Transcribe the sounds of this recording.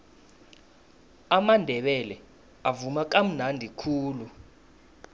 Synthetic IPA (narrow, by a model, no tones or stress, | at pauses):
amandʱɛɓɛlɛ | avumak̬am̩nandʱikʰuːlu